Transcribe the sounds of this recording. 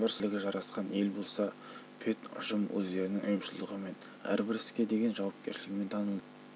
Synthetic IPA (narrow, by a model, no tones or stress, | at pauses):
bɪɾsɪlɪɡʲɪʒɑɾɑsqɑne̞lbo̞lˠsɑ | pʰe̞t̪ʊ̰ʃəmwʔɵ̰zd̪e̞ɾɪnɪŋʔʊjəmʃɪlˠd̪əʁəme̞n | æ̰ɾbɪɾɪ̥skʲe̞d̪e̞ɡʲe̞nʒɑwɑp̚kʲe̞ɾʃɪlɪɡʲɪme̞nt̪ʰɑnəlˠ